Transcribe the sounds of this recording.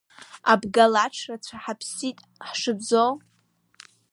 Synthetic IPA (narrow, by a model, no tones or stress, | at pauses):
abɡalaʈ͡ʂʰrat͡sʷʰaħapʰsitʼ | ħʂɨbzo